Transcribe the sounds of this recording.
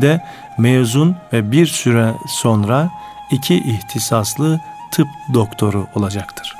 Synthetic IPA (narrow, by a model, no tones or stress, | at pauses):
d̪ɛ | mejzunvɛbiɾsyɾɛso̞nɾa | icʰiʔiht̪ʰisaslˠɯt̪ʰɯp̚d̪o̞kt̪ʰo̞ɾuo̞lˠad͡ʒakt̪ʰɯ̥ɾ̥